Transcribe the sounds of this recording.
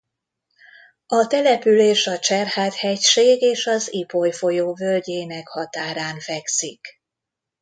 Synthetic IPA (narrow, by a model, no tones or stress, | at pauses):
ɒt̪ɛlɛpyleːʃɒt͡ʃɛrhaːt̪hɛcʃeːɡeːʃɒzipojfo̞joːvølɟeːnɛkhɒt̪aːɾaːnfɛksik